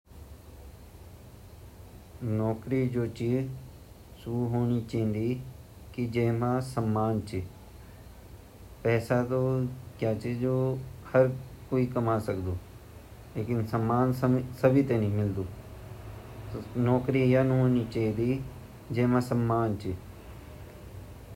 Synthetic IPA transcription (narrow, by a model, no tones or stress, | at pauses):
nɔːkɾid͡ʒoːt͡ʃiː | suɦoːnit͡ʃɐɦnd̪i | kid͡ʒeːmãsəmːaːnt͡ʃi | pɛːsat̪okjaːt͡ʃiːd͡ʒohɐɾkoːikɐmaːsəkd̪oː | leːkɪnsəmːaːnssɐbʱit̪enĩmɪld̪uː | nɔːkɾijanɦoːnit͡ʃaɦid̪i | d͡ʒeːmãsəmːaːnt͡ʃi